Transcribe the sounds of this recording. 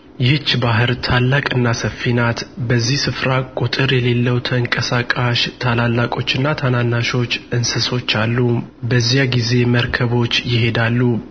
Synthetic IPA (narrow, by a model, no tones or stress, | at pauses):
jɪht͡ʃːbaɦɨɾt̪ʰalːakʼɨnːasəfinat̪bəzːihsɨfɾakʼut̪ʼɨɾjɛle̞lːəwt̪ʰəɨŋkʼəsakʼaʃt̪ʰalalːakʼo̞t͡ʃːɨnːat̪ʰananːaʃo̞t͡ʃːɨnsɨso̞t͡ʃːalːubəzːijaɡize̞məɾkʰəβo̞t͡ʃːjɪɦe̞d̪alːu